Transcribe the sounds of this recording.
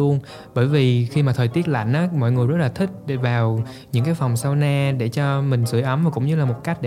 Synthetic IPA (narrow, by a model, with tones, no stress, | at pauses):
u˧ən | ɓəː˧˩jvi˨˩xi˧maː˨˩t̪ʰəː˨˩t̪i˦˥ət̚la̰˧˨jŋ̟ʔaː˨˦mɔ̰˧˨jŋɨ˨˩əjzə˦˥t̚laː˨˩t̪ʰï˦˥k̟̚ɗe˧˩vaː˨˩w | ɲɨ̰˧˥ŋkaː˨˦jfwŋ͡msa˧wnaː˧ɗe˧˩t͡ɕɔ˧mï˨˩ŋ̟sɨ̰˧˩əjʔə˨˦mvaː˨˩kʊ̰˧˥ŋ͡mɲɨ˧laː˨˩mo˨˩t̚ka˦˥jk̟̚ɗe˧